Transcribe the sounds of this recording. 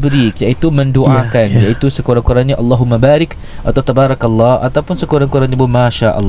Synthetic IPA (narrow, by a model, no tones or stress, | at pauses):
bɾikjait̪uməndoʔakanjait̪usəkoɾaŋkuɾanɲaʔɑlːaɦumabaɾɪk | ʔat̪awt̪abaɾɑkɑlːɑha̰t̪awpʊnsəkuɾaŋkuɾanɲabəmaʃaʔɑ̰lː